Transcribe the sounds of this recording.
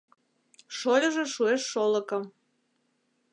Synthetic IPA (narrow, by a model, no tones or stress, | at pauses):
ʃolʲəʒeʃueʃːoləkəm